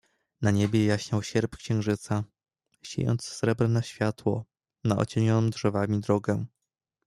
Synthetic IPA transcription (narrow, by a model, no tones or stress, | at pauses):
naɲebʲjɛjaɕɲawɕɛɾpkɕɛ̃ŋ̃ʐɘt̪sa | ɕḛjɔ̰nt̪ssɾɛbɾɛnaɕfʲjat̪wɔ̰ | naʔɔ̰t͡ɕeɲɔnɔmdʐɛvamʲid̪ɾɔɡɛ